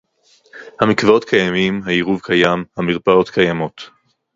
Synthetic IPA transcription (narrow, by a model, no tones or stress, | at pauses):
hamikvao̞tkʰajamimɦaiʁuvkʰajamhamiʁpao̞tkʰajamo̞t